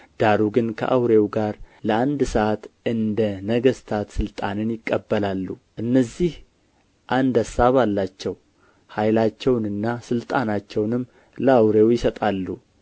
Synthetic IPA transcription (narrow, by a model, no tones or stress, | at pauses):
d̪̥aɾuɡɨnkʰə̰ʔawɾe̞wɡaɾləand̪səʔat̪ʔɨnd̪ənəɡəst̪ʰat̪sɨlt̪ʼanɨnjɪkʼːəbːəlalːuʔɨnːəzːih | ʔand̪asaβalːat͡ʃːɛw | hajlat͡ʃːɛwnɨnːasɨlt̪ʼanat͡ʃːɛwnɨmː | ləawɾewjɪsət̪ʼalːu